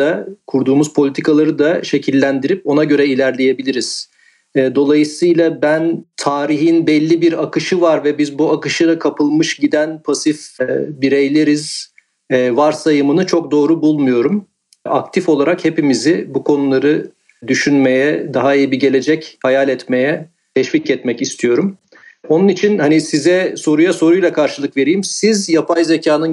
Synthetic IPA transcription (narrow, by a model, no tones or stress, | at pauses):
akʰuɾd̪uːmuz̥pʰo̞lʲit̪ʰikʰalˠaɾɯd̪aʃe̞cʰilʲːænd̪iɾip̚o̞naɟø̞ɾɛilʲæɾlʲe̞je̞bilʲiɾiz̥ | ɛːd̪o̞lˠajɯsɯjlˠabænt̪ʰaːɾiɦinbɛlʲːibiɾakɯʃɯvaɾvɛbizbuakɯʃɯd̪akʰapɯlˠmɯʃɟid̪ænpʰasifbiɾejlʲeɾiz̥ | ɛːvaɾsajɯmɯnɯt͡ʃʰo̞k̚d̪o̞ːɾubulˠmujo̞ɾum | ak̚t̪ʰifo̞lˠaɾakhe̞pimizibukʰo̞nulˠaɾɯ | d̪yʃynmejɛd̪aɦaijibiɟe̞lʲe̞d͡ʒɛchajalʲɛt̪me̞jɛ | t̪ʰɛʃviːcɛt̪mɛcist̪ʰijo̞ɾum | o̞nunit͡ʃʰinhanisizɛso̞ɾujaso̞ɾujlˠakʰaɾʃɯlˠɯkve̞ɾijimsizjapʰajzecʰaːnɯn